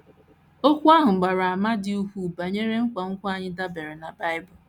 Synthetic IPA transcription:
o˦kʷu˦a˦ɦʊ˨ɡ͡ba˨ɾa˨a˨ma˦dɪ˦u˦kʷu˦ba˨ɲe˦ɾe˦ŋ̩˦kʷa˨ŋ̩˦kʷa˨ɲɪ˦da˦be˨ɾe˨na˨ba˦ɪ˦bʊ˨

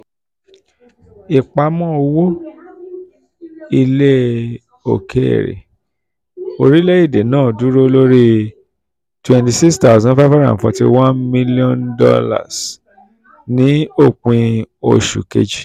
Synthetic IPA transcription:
i˨k͡pa˧mɔ̃˦o˧wo˦ | i˧le˦ | o̰˨kʰe˦ḛ˨ɾḛ˨ | o˧ɾi˦le˦i˦˨de˨nãː˦˨du˨˦ɾo˦˧lo˦ɾi˦ | twɛ̃˨nti˧si˦ksta˦˨zã˦fa˦fa˦ɾã̰˦˨fɔ˧tḭ˧wã˦nmĩ˦li˦ɔ̃˦ndɔ̰˦la̰˦˨s | nĩ˨˦o˦˨k͡pĩ˧o˧˨ʃṵ˨kḛ˦d͡ʒi˨

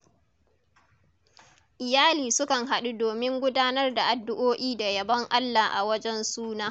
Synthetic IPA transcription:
ʔɪ˨jaː˦liː˨sʊ˦kɐ˨ŋɦa˨ɗu˦doː˨mɪ˦ŋɡʷʊ˦daː˦nɐ˦rda˨ʔa˨dːʊ˦ʔoː˦ʔiː˦da˨jɐ˨bɐ˦ŋʔa˦lːaː˨ʔa˨wɐ˦d͡ʒɛ˦nsuː˦naː˦

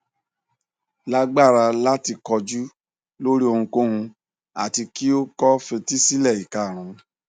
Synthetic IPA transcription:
la˦ɡ͡ba˦˨ɾa˧la˦ti˧kɔ˧d͡ʒu˦ | lo˦ɾi˦o˧hũ˧ko˦hũ˧ | a̰˦˨ti˧ki˦o˦kɔ˦fẽ˧ti˦si˦lɛ˦˨i˨ka˨ɾ̃ũ˨˦

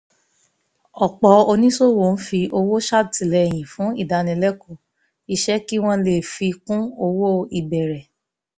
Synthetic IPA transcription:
ɔ˨k͡pɔ˧o˧nĩ˦so˦˨wo˨n̩˦fi˧ʔo˧wo˦ʃa˦ti˨lɛ˧˨j̃ĩ˨fũ˨˦ḭ˦˨da˧nĩ˧lɛ˦ko˦˨ | i˧ʃɛ˦ki˦w̃ɔ̃˦le˦˨fi˧kũ˦o˧wo˦i˨bɛ˨ɾɛ˨

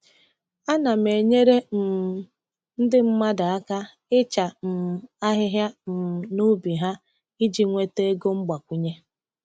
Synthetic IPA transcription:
a˦na˨me˨ɲe˦ɾe˦m̩˨ | n̩˦dɪ˦m̩˦ma˦da˨a˦ka˦ | ɪ˦t͡ʃa˨m̩˨a˦ɦɪ˦ɦja˦m̩˨nu˦bi˨ɦa˦ | i˦d͡ʒi˨ŋʷe˦te˦e˦ɡo˦ŋ͡m̩˦ɡ͡ba˨kʷu˨ɲe˦

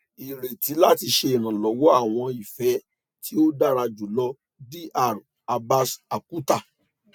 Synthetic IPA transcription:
i˨ɾe˨ti˨˦la˦˨ti˧ʃe˧i˨ɾ̃ã˨lɔ˨˦wɔ˦a˦˨w̃ɔ̃˧i˨fɛ˨˦ | tʰi˦o˦da˦˨ɾa˧d͡ʒu˨˦lɔ˧ | di˦ʔa˦˨ɾ | a˧ba˧sa˨ku˦ta˦˨

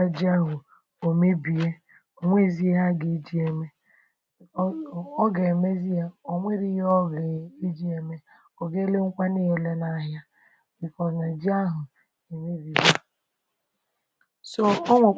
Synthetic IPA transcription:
a˦d͡ʒi˦a˦ɦʊ˨ | o˨me˦bi˨e˦ | o˨ŋʷe˦zi˦a˦ɡe˨˦d͡ʒi˦e˨me˦ | ɔ˦ɡe˨e˨me˦zi˦a˦o˨ŋʷe˦ɾi˦ɦɔ˦ɡe˨i˦d͡ʒi˦e˨me˦ | ɔ˨ɡe˦le˦ŋ̩˦kʷa˦ne˦o˨le˦na˦˨˦ɦja˦ | bi˨kɔ˨na˨d͡ʒi˦a˦ɦʊ˨ | e˨me˦bi˨ɡa˦ | so˦ɔ˦ŋʷe˨

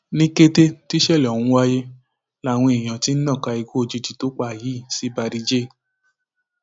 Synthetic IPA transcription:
nĩ˦ke˦te˦ti˦ʃɛ˦˨lɔ˨wũ˨˦wa˦je˦ | la˦˨w̃ɔ̃˧e˨j̃ã˨ti˦n̩˦nã˦˨ka˧i˧ɡo˦o˧d͡ʒi˧di˨to˨˦k͡pa˧˨ji˨˦˨si˨˦ba˧ɾi˧d͡ʒe˦˨

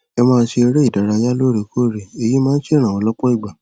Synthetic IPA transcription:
ɛ˧mãː˦˧n̩˦ʃe˧e˧ɾe˦i˦˨da˨ɾa˧ja˦lo˦ɾe˨˧kʰo˦˨ɾe˨e˨ji˦mãː˦n̩˦ʃe˦ɾ̃ã˨ɔ̃˧lɔ˦k͡pɔ˦i˦˨ɡ͡ba˨

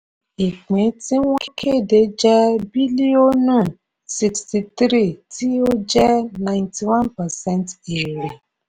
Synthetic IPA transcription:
e˨k͡pẽ˨˦ti˦w̃ɔ̃˦kʰe˦˨de˨˦d͡ʒɛ˦bi˦li˦o˦ñ˦˨ | si˧ksti˨tɾi˦˨ti˦o˦d͡ʒɛ˦nã˨ɪ̃nti˨wã˦npa˨sɛ˦nte˨ɾe˨

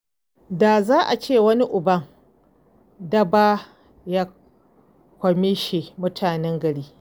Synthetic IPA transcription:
daː˨zaː˦ʔa˨t͡ʃeː˦˨wɐ˦ni˦ʔʊ˨bɐ˦ŋ | dɐ˦baː˦ | jaː˦ | kʷɐ˨me˦ʃe˨mʊ˦tʰaː˨nɛ˦ŋɡɐ˨ɽiː˦

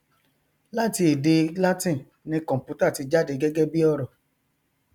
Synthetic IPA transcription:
la˦ti˧e˨de˧la˦tĩ˦˨ | nĩ˧kɔ̃˨m˨pu˨˦ta˦˨ti˧d͡ʒa˦de˧ɡɛ˦ɡɛ˦bi˦ɔ˦˨ɾɔ˨

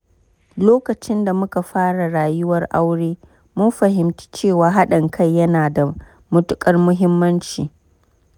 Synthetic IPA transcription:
loː˦kɐ˨t͡ʃɪ˦nda˨mʊ˦ka˨ɸaː˦ɽa˨ɽaː˨jʊ˦wɐ˦rʔa˦wɽeː˦ | mʊ˦nɸɐ˨ɦɪ˨mt͡ʃi̥˦t͡ʃeː˦˨waː˨ɦa˦ɗɐ˨ŋkʰa˦˨jːɐ˦naː˨da˨ | mʊ˦tʊ˦kʼɐ˦rmʊ˦ɦɪ˦mːɐ˦nt͡ʃḭː˨

